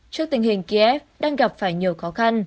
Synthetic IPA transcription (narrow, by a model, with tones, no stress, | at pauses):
t͡ɕɨ˦˥ək̚t̪ï˨˩ŋ̟hï˨˩ŋ̟ki˧ʔɛ˦˥p̚ɗaː˧ŋɣa˨˩p̚faː˧˩jɲi˨˩əwxɔ˨˦xa˧n